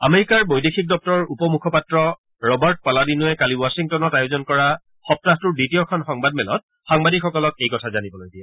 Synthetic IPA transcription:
ameɹikaɹbojdekʰik̚dɔp̚tɔɹupɔmukʰɔpatɹɔ | ɹɔbaɹt̚paladinʊɛkaliwasiŋtɔnɔtajozɔnkɔɹa | xɔp̚tatʊɹditijɔkʰɔnxɔŋbad̚mɛlɔ̰t̚ | xaŋbadikxɔkɔlɔkejkɔtʰazanibɔlojɡija

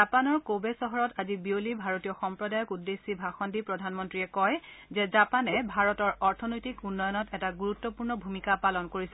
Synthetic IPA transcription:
apanɔɹkobesɔɦɔɹɔtazibiolibʱaɹotijɔxɔmpɹɔdajɔkudːesːibʱaxɔndipɹɔdʱanmɔntɹiɛkɔj | zɛzapanɛbʱaɹɔtɔɹɔɹtʰɔnojtikunːɔjɔnɔtɛtaɡuɹutːɔpuɹnɔbʱumikapalɔnkoɹisɛ

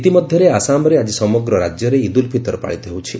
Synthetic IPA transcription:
t̪imɔd̪ʱjɔɾeasamɔɾead͡ʒisɔmɔɡɾɔɾad͡ʒjɔɾeid̪ulpʰit̪ɔɾpa̰ɭit̪ɔɦewt͡ʃʰi

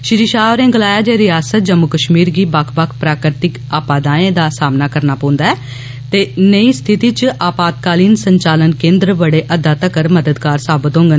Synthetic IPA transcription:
ʃɪɾiːʃaːʋɾẽːɡəlaːjaːd͡ʒeːɾɪjaːsət̪̚d͡ʒəmːʊkəʃmiːɾɡiːbakʰbəkʰpɾaːkɾɪt̪ɪk | aːpaːd̪ãːẽːd̪aːsaːmnaːkəɾnaːpɔ̃ːnd̪aːɛː | t̪eːnəiːst̪ʰɪt̪iːt͡ʃʔaːpaːt̪̚kaːliːnsəɲt͡ʃaːlənkẽːnd̪ɾəʋəɽeːʔəd̪aːt̪əkəɾməd̪əd̪kaːɾsaːbət̪õːŋɡən

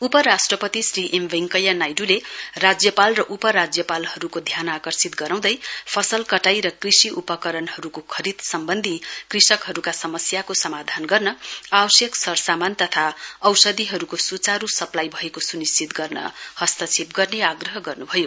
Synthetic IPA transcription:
upʌɾasʈrʌpʌt̪isriʔembeŋkʌjːanajɖulerad͡zjʌpalrʌʔupʌɾad͡zjʌpalhʌɾukod̪ʱjanakʌrsit̪̚ɡʌɾaw̃d̪ʌjpʰʌsʌlkʌʈajɾʌkrisiupʌkʌɾʌnɦʌɾukokʰʌɾid̪sʌmbʌnd̪ʱikrisʌkɦʌɾukasʌmʌsjakosʌmad̪ʱanɡʌrnʌabʌsjʌksʌɾsamant̪ʌt̪ʰaʌwsʌd̪iɦʌɾukosut͡saɾusʌplajbʱʌekosunist͡sit̪ɡʌrnʌ̰hʌst̪ʌt͡sʰip̚ɡʌrneaɡrʌɦʌɡʌrnubʱʌjo

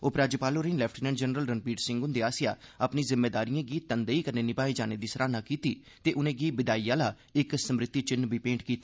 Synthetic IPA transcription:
oːpɾaːd͡ʒəpaːloːɾeĩːnlɛːpʰʈinɛ̃ːɳɖd͡ʒənɾəlɾənpiːʈsɪ̃ŋɡʊnd̪eːaːsɪja̰ːəpniːzɪmːeːd̪aːɾijãːɡiːt̪ənd̪eiːkəɾneːnɪpaːeːd͡ʒaːneːd̪iːsəɾʔaːnaːkiːt̪iː | t̪eːʔʊnẽːɡiːbɪd̪aːijaːlaː | ɪksəmɾɪt̪ːiːt͡ʃɪnbiːpẽːɳʈkiːt̪ḁː

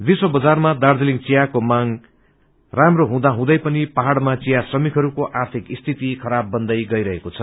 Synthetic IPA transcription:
d̪isobʌd͡zarmad̪ard͡zʌliŋt͡sijakomaŋ | ramroɦũd̪aɦũd̪ʌjpʌnipaɦaɽmat͡sijasrʌmikɦʌɾukoʔart̪ʰikist̪ʰit̪ikʰʌɾabːʌnd̪ʌjɡʌjɾʌɦekot͡sʰʌ

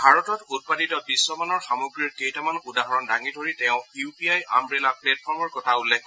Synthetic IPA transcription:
bʱaɹɔtɔtut̚paditɔbisːɔmanɔɹxamoɡɹiɹkejtamanudaɦɔɹɔndaŋidʱoɹitɛʊ̃iupiaja̰mɹelaplɛt̚pʰɔɹmɔɹkɔtʰaulɛ

